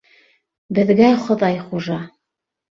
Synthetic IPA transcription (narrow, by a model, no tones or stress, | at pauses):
bɘ̆ðɡæχŏðɑjχuʒɑ